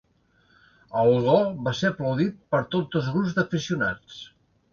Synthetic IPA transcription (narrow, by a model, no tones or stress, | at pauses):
əɣɔβaseɾəpləwðit̪̚pəɾt̪od͡zəlˠzɣɾubzd̪əfisiuna̰t͡s